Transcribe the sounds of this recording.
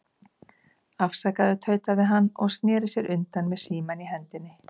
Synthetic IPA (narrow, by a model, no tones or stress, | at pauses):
afsakaðɪt̪ʰœːɥt̪aðɪɦanːɔɣst̪nɛːɾɪsjɛɾʔʏnt̪anmɛðsiːmaniɦɛnt̪ɪnːɪ